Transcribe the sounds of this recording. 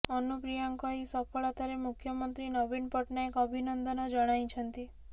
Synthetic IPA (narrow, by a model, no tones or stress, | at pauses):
ɔnupɾijaŋkɔisɔfɔɭat̪aɾemukʰjɔmənt̪ɾinɔbinpɔʈnaekɔbʱinɔnd̪ɔnɔd͡ʒəɽ̃aj̃t͡ʃʰənt̪i